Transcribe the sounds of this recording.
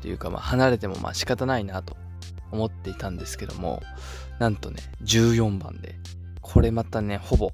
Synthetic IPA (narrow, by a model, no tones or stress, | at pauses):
t̪ejɯ̟ːkama̰ːhanaɾe̞t̪e̞mo̞̰mʔa̰ːɕi̥kat̪anainat̪o̞ | omo̞t̪ːe̞it̪ãnd̪e̞sɨ̥ke̞d̪o̞̰mo̞̰ | nãnt̪o̞ne | d͡ʑɨːjõ̞mbã̰nd̪e̞̰ | kʰo̞ɾe̞mat̪ane̞ho̞bo̞